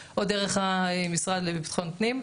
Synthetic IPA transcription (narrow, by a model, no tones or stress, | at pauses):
ʔod̪eʁeχaemisʁad̪lebipt̪χontnim